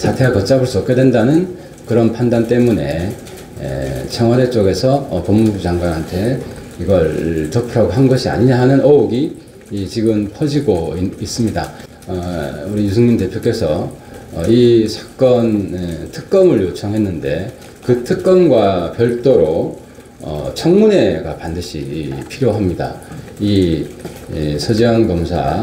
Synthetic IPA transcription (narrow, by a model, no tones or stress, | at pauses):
sʰatʰe̞wakʌt͡ɕ͈abɯɭs͈uʌp̚k͈e̞dwe̞ndanɯn | kɯɾʌnpʰandant͈e̞mune̞̰ | t͡ɕʰʌŋwadet͡ɕ͈oɡe̞sʰʌpʌmːubud͡ʑaŋɡwanɦantʰe̞ | iɡʌɭt͡ɕʌpʰɯɾaɡoɦannɡʌɕʰia̰ɲiɲaɦanɯnʌoɡi | t͡ɕiɡɯmpʰʌd͡ʑiɡoiis͈ɯmɲida̰ | ʌuɾiɲjusʰɯŋɲindte̞pʰjok͈e̞sʰʌ | isʰḁk̚k͈ʌntʰɯ̥k̚k͈ʌmɯɭjot͡ɕʰʌŋɦe̞nːɯnde̞ | kɯtʰɯk̚k͈ʌnɡwapjʌɭt͈oɾo | ʌ̰t͡ɕʰʌŋmune̞ɡapandɯɕʰḭipʰiɾjoɦamɲida̰ | i | sʰʌd͡ʑiankʌmsʰa̰